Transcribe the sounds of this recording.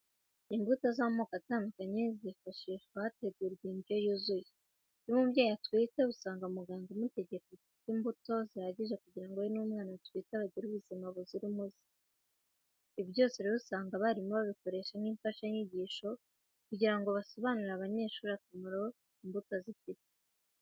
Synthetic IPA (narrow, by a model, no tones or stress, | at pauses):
imbutazamokataːndukaɲeziifaʃiːʃwahate̞ɡuɾɡimbjo̞juzuji | nimuβjaːjatwiːteβusaːŋɡamuɡaːŋɡomute̞ɟe̞koitimbuto̞zihaɟiʒekuɟiɾaŋɡojonuːmŋaːnatwiːtaβaɡɟiɾuβuzimaβuziɾimuzi̥ | iβjo̞ːsiɾiβusaːŋɡaβaɾimuβaβiko̞ɾe̞ːʃaniːmfaʃaɲiɟiːʃo̞ | kuɟiɾaŋɡo̞βaso̞βanuɾaβaɲe̞ːʃuːɾakamaɾo̞ | imbutozifite